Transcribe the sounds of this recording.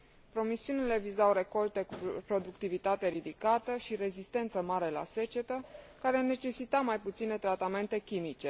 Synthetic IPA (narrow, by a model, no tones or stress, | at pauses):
pɾo̞misiunile̞vizawɾe̞ko̞lt̪e̞kupɾo̞d̪ukt̪ivit̪at̪e̞ɾid̪ikat̪əʃiɾe̞zist̪e̞nt̪səmaɾe̞la̰se̞t͡ʃe̞t̪ə | kaɾene̞t͡ʃe̞sit̪amajput̪sine̞t̪ɾat̪ame̞nt̪e̞kʲimit͡ʃe̞